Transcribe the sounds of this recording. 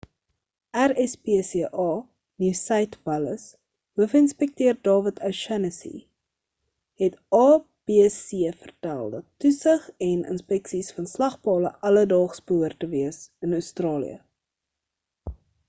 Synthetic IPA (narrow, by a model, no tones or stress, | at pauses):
ʔærɛspeːseəʔɑː | niwsɛjtvɐləs | ɦuəfəənspɛk̚tiərdɑːvətʰɐʃɛnəsḭ | ɦɛtʔɑː | b̥eːsiəfərtæ̰lˠdɐtːusəχɛnə̰nspɛksisfɐnslɐχpɑːləʔɐlədɑːχsbəɦuərtəviəsənœɥstrɑːlḭə̰